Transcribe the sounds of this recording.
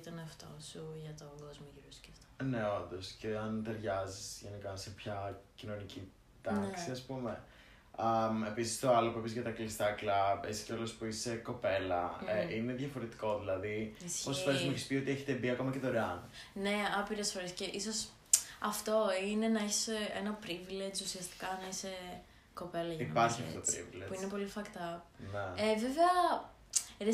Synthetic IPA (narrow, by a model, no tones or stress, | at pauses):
t̪ɐneɐft̪osuʝɐt̪oɡozmoʝiɾosi̥ceɐft̪o̥ne̞o̞nd̪o̞sce̞ɐnt̪eɾʝɐzisʝe̞nikɐsepçɐcino̞nici | t̪ɐksiɐspume̞ | ɐmepisi̥st̪o̞ɐlopuepizʝɐt̪ɐklist̪ɐklɐpisceolo̞spuise̞ko̞pe̞lɐeine̞ðʝɐfo̞ɾet̪i̥ko̞ðilɐðisosfɾezmueçispio̞t̪ieçet̪ebiɐko̞mɐcet̪oɾeɐn | ne̞ɐpiɾesfo̞ɾesce̞ʔiso̞s | ɐft̪o̞ine̞nɐeçi̥senɐpɾivlet͡susiɐst̪i̥kɐnɐise | ko̞pe̞lɐʝɐipɐɾçiɐ̰ftoot̪oɾḭvlepuinepo̞lifɐkt̪ɐp̚neeveveɐ | ɾe